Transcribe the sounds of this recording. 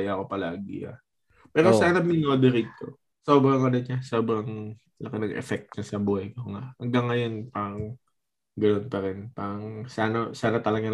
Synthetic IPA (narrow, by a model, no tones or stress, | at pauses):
jɐɐko̞pɐlaːɡɪ̰ʔa̰ | pɛːɾosaːnɐmɪnoːd̪ɛɾiːt̪o̞̰ | so̞ːbɾɐŋʔɐnɐk̚ɲasoːbɾɐŋ | lɐkɪnɐɡɛ̰fɛk̚t̪̚ɲɐsɐbuːhɐjkoŋaʔhɐŋɡɐŋːɐjo̞npaːɾɐŋ | ɡɐno̞npɐɾɪnpaːɾɐŋsaːnɐsaːnɐt̪ɐlɐɡan